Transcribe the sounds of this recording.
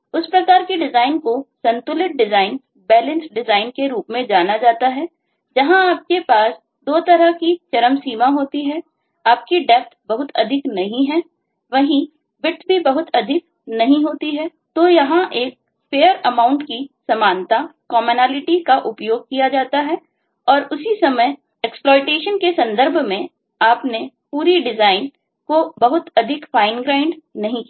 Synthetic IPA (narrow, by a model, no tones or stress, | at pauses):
ʊspɾɐkaːɾkiɖɪzaːɪnkosɐ̃nt̪ʊlɪʈ̚ɖɪzaːɪn | bɛːlə̃nsɖɪzaːɪnkeɾuːpmẽd͡ʒaːnad͡ʒaːt̪aɦɛː | d͡ʒɐɦãaːp̚kepaːs | d̪oːt̪ɐɾəkit͡ʃɐɾəmsiːmaɦoːt̪iɦɛː | aːp̚kiɖɛːp̚t̪bɐɦʊt̪ɐ̰d̪ʱɪknɐɦĩɦɛː | ʋɐɦĩ | ʋɪʈ̪ʰbʱibɐɦʊt̪ɐd̪ʱɪk̚ | nɐɦĩɦoːt̪iɦɛ | t̪oːjɐɦãʔeːk̚ | feːəɾɐmãːʊ̃ɳʈkisɐmaːnt̪akɔːmonaːlɪʈikaʔʊpjoːɡ̚kijad͡ʒaːt̪aɦɛ | ɔːɾʊsisɐməj | ɛksplɔːɪʈeːʃənkesɐ̃nd̪əɾbʱmẽ | aːpnepuːɾiɖɪzaːɪn | kobɐɦʊt̪ɐd̪ʱɪkfaːɪnɡɾãːɪ̃ɳɖnɐɦĩk